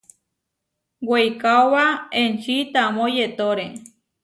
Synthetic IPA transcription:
wejkaowaent͡ʃit̪amõjet̪oɾe

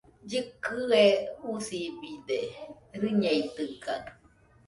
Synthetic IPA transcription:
d͡ʒɨkɨeusibid̪e | ɾɨɲeit̪ɨka

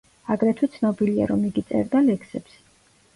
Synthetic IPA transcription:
aɡɾɛt̪ʰwɛt̪sʰnɔbilia̰ɾɔmiɡit̪sʼɛ̰ɾd̪alɛkʰsɛps

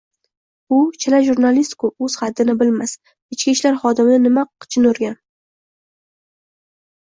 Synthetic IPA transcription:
ʊt͡ʃʰɪlaʒuɾnalist̪kʊɵz̥χad̪ːɪnɪbɪlmas | ɪt͡ʃkʲiʃlaɾχɒd̪ɪmɪnɪnɪmaqʰɨ̥t͡ʃʰɪnoɾɡʲan

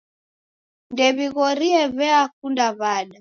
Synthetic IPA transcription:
ndɛβiɣɔɾiɛβɛakundaβaɗa

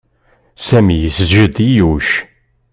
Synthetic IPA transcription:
sæmijəsəzʒəd̪ijuʃ

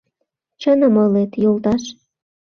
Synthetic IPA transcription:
t͡ɕənəmolet̪jolt̪ɑʃ

